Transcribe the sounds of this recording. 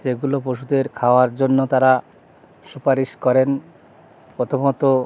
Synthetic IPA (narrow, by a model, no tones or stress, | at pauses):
d͡ʑeɡulopoʃud̪eɾkʰaoaɾd͡ʑonːot̪aɾa | ʃupaɾiʃkɔɾen | pɾot̪ʰomot̪o